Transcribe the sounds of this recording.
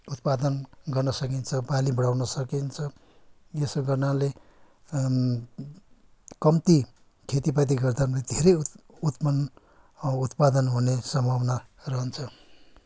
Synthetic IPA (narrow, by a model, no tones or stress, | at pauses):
ut̪̚pad̪ʌnɡʌrnʌsʌkint͡sʰʌbalibʌɽawnʌsʌkint͡sʰʌ | jesɡʌrnale | kʌmt̪i | kʰet̪ipat̪̬iɡʌrd̪ʱanled̪ʱeɾʌj | ut̪pʌn | ut̪pad̪ʌnɦunesʌmbʱʌwnarʌɦʌnt͡sʰʌ